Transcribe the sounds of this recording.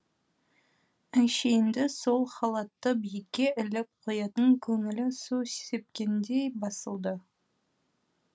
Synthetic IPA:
ænʃejnd̪ɪso̞lˠχɑlˠɑt̪ːəbijɪkʲːe̞ʔɪlɪp̚qʰojɑt̪əŋkʲʰɵŋɪlɪsuse̥se̞p̚kʲe̞nd̪e̞jbɑsəlˠd̪ə

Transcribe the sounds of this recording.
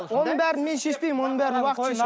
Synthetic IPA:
wonənbæɾɪnme̞nʃeʃpejmwonənbæɾɪnwɑqət̪ː

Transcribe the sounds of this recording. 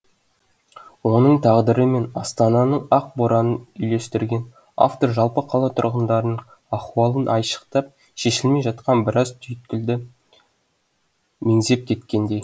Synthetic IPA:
wo̞nəɴt̪ʰɑʁd̪əɾəme̞nɑst̪ɑnɑnəɴɑq̚boɾɑnənʏjle̞st̪ɪɾɡʲe̞n | a̰ft̪o̞ɾʒɑlˠpəqʰɑlˠɑt̪ʰʊ̰ɾʁənd̪ɑɾnəɴ | ɑχwɑlˠənʔɑjʃə̥qt̪ɑp̚ | ʃe̞ʃɪlme̞jʒɑt̪̚qɑnbɪɾɑzt̪ʰʏjt̪̚kʲɪld̪ɪ | me̞ŋze̞p̚kʲʰe̞t̪kʲe̞nd̪e̞j

